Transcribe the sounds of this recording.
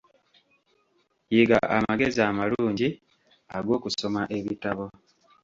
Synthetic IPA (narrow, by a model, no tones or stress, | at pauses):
jiɡa̰ʔamaɡe̞ziamaluːɲɟi | aɡo̞ːkuso̞maʔe̞βitaβo̞